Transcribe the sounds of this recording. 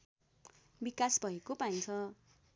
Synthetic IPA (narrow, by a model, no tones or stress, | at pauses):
bikasbʱʌekopaint͡sʰʌ